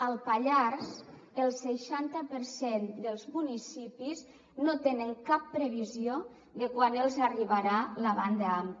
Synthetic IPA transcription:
əlˠpaʎaɾz | əlˠsəʃant̪əpəɾsend̪əlˠzmunisipiz | not̪enəŋkapːɾeβizio | ðəkwanelˠzariβaɾaləβa̰nd̪əam

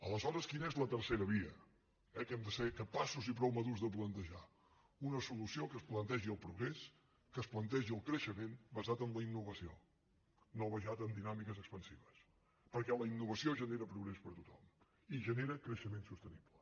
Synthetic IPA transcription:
ələzɔɾəskinəɛzlət̪ərseɾəβiə | ɛkɛmd̪əsekəpasuzipɾɔwməðuzðəp̬lənt̪əʒa | unəsulusiokəsplənt̪ɛʒiəlˠpɾuɣɾes | kəsplənt̪ɛʒiəlˠkɾəʃəmenbəzat̪ənləinːuβəsio̰ | noβəʒat̪ənd̪inamikəzəkspənsiβəs | pəɾkɛləinːuβəsioʒəneɾəpɾuɣɾespəɾt̪ut̪ɔm | iʒəneɾəkɾəʃəmensust̪əniblə

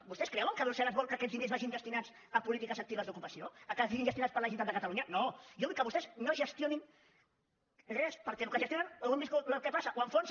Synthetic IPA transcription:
bust̪ɛskɾɛwəŋkəβɾusɛləzβɔlkəːkɛd͡zðinezβaʒind̪əst̪inad͡z | əpulit̪ikɐzɐk̚t̪iβɐzd̪ukupɐsioəkasiɣinʒəst̪unat͡sspəɾlaʒint̪ad̪d̪əkət̪ɐluɲɐnojoðikːəβust̪ɛznoʒəst̪jonin | rɛspəɾkɛlukəʒəst̪jonanalɣuniskulakɛpasɐʔoəɱfons

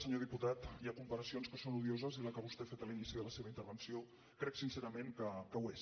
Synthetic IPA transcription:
səɲoðiput̪at̪iakumpəɾəsionskəsonuðiozəziləkəβust̪efet̪əlinisiðələseβəint̪əɾβ̞ənsio | kɾɛksinseɾəmeŋkəkəwes

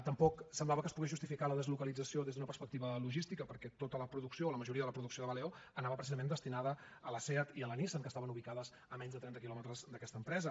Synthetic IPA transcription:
t̪əmpɔksəmblaβəkəspuɣiʒust̪ifikaləðəzlukəlid͡zəsioðezðunəpəɾspək̚t̪iβəluʒist̪ikəpəɾkɛt̪ot̪ələpɾuðuksioːləməʒuɾiəðələpɾuðuksioðəβəleoənaβəpɾəs̬izəmẽnd̪əst̪inaðə | ələsɛət̪iələnisənkəst̪aβənuβ̞ikaðəz | əmɛɲzðət̪ɾɛnt̪əkilɔmət̪ɾəzd̪əkɛst̪əːmpɾɛzə

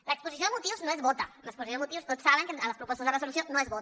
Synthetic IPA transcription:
laekspusis̬joðemut̪iwznoezβot̪a̰lakspusiomut̪iuwst̪ot͡ssaβeŋkeləspɾupost̪zðeresuluθjonoezβot̪

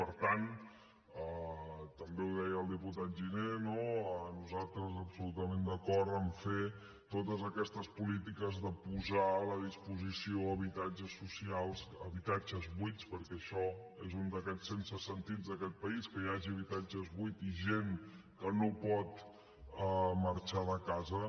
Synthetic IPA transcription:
pəɾt̪an | ət̪əmbeuðɛjəlˠd̪iput̪at̪̚ʒinenoənuzalˠt̪ɾəzəpsulut̪əmend̪əkɔɾt̪əɱfe | t̪ot̪əzəkɛst̪əspulit̪ikəzðəpuzaləð̞ispuzisioəβit̪ad͡ʒəsːusialˠsəβit̪ad͡ʒəzβwit̪spəɾkɛəʃɔezund̪əkɛt͡sːensəsənt̪id͡zd̪əkɛt̪̚pəiskəjaʒiəβit̪ad͡ʒəzβuit̪iʒeŋ | kənopɔt̪ | əməɾt͡ʃaðəkazə

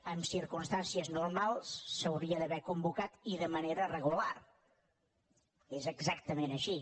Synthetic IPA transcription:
əmsiɾkunst̪ansiəznurmalˠsːəwðiəðəβɛkumbukat̪iðəməneɾərəɣular | ezəɡzak̚t̪əmenəʃi

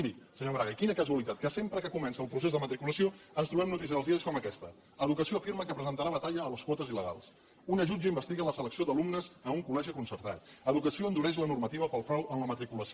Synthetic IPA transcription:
d̪isəɲoβɾaɣəkinəkəzuəlit̪at̪̚kəsempɾəkəkumɛnsəːlˠpɾusezðəmət̪ɾikuləsioənst̪ɾuβɛmnut̪is̬iəəlzðiəskɔməkɛst̪ə | əðukəsijoəfiɾməkəpɾəzənt̪əɾaβət̪aʎəːləskwɔt̪əziləɣa̰lˠs | unəʒud͡ʒəimbəst̪iɣələsələksiod̪əlumnəzəuŋkulɛʒikunsəɾt̪a̰t̪əðukəsioənd̪uɾɛʃ̬lənurmət̪iβəpəlˠfɾɔwənləmət̪ɾikuləs

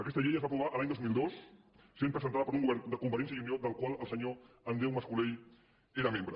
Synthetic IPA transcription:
ɐkɛst̪aʎejəzβapɾuβ̞aʔəlaɲd̪ozmilˠd̪os | sempɾəzənt̪aðəpoɾuŋɡuβɛɾnd̪əkumfəɾens̬jəiuniod̪əlˠkwaləlˠsəɲo | and̪ɾewmaskuleʎ | eɾamẽmbɾə

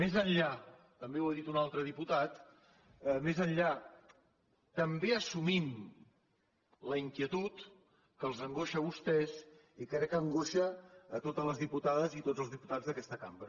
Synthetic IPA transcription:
mezənʎa | t̪əmbewəðit̪unalˠt̪ɾəðiput̪at̪ | mezənʎa | t̪əmbeəsumim | ləiŋkiət̪ut̪ | kəlˠzəŋɡoʃəβust̪ɛz | ikɾɛkːəŋɡoʃəːt̪ot̪ələzðiput̪aðəzit̪od͡zzəlˠzðiput̪ad͡zðəkɛst̪əkambɾə

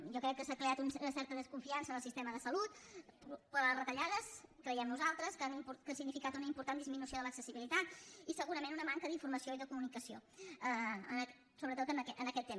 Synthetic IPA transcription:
jɔkɾɛk̚kːəsakɾeat̪unnəsɛɾt̪əðəskuɱfiansənəlˠsist̪ɛməðəsəlut̪upuarət̪əʎaðəskɾəjɛmnuzalˠt̪ɾəskənimpukənsiɡnifikat̪unəimpuɾt̪and̪izminusioðələksəsiβilit̪at̪̚isəɣuɾəmẽnunəmaŋkəðiɱfuɾməsioiðəkumunikəsioəən | soβɾət̪ot̪ənɛʔənəkɛt̪ːem

